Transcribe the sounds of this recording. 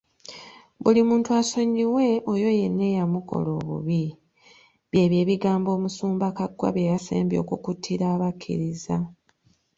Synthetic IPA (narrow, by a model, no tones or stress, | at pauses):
βulimuːntuaso̞ɲːiwe̞ʔojo̞je̞nːe̞jamuko̞̰lo̞ːβṵβi | βje̞ːβje̞ːβiɡaːmbo̞ːmusuːmbakaɡwa̰βjejasḛːmbjo̞̰ːkukutʰːiɾaːβakʰːḭɾiza